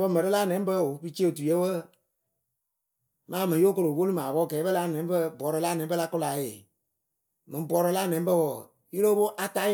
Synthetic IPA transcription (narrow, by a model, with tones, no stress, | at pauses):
bə˦mə˨ɾə˦laː˦˨nɛ̃˨˦bə˦o˨pɨ˦t͡ʃe˦o˨tu˨je˦bə˦ | mãː˨˦mɛ̃˨˦jo˦ko˧ɾo˨wo˦lu˦mãː˨bɔː˦˨kɛ˨˦bə˦la˧˦˨nɛ̃˨˦bə˦bɔ˨˦ɾɔ˧˦laː˦nɛ̃˨˦bə˦la˧˦kʊ˦la˨je˨ | mɨ̃˨˦bɔ˨˦ɾɔ˧˦laː˦˨nɛ̃˨˦bə˦wɔ˨ | ji˦lo˦bo˦ʔa˧ta˦